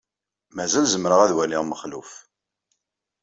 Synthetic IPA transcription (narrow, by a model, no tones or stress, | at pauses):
mæzælzəmɾəʁæðwæliʁməχluf